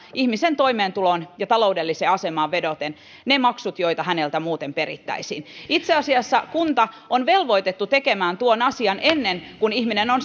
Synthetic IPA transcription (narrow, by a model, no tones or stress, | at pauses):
ihmisent̪oimeːnt̪ulonjɑt̪ɑlo̞udelːiseːɑsemɑːʋʋedot̪en | nemɑksut̪joit̪ɑhænelt̪æmuːt̪emperḭt̪ːæ̰isiːnit̪seɑsiɑsːɑkunt̪ɑ | onʋelʋoijt̪et̪ːut̪ekemæːnt̪uonɑsiɑnʔenːenkunihminenon